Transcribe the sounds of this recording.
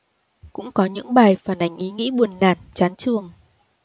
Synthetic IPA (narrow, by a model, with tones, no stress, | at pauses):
kʊ̰˧˥ŋ͡mkɔ˨˦ɲɨ̰˧˥ŋɓaː˨˩jfaː˨˩nʔa˨˦ŋ̟ʔi˨˦ŋḭ˧˥ɓu˨˩ənːaː˨˩nt͡ɕaː˨˦nt͡ɕɨ˨˩əŋ